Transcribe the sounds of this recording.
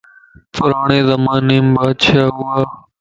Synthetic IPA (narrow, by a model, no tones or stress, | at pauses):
pʰʊɾaːɳẽːzəmaːneːmbaːd̪t͡ʃʰaːɦʊaː